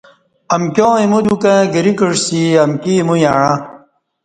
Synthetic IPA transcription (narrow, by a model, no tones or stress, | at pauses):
ɐmkjõːimud͡ʑukãɡiɾikəʂsiɐmkimujaɻã